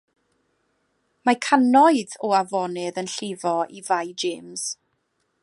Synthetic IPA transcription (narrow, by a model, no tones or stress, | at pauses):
makʰanɔɨðɔavɔnɪðənɬɪvɔʔivajd͡ʒeːmz̥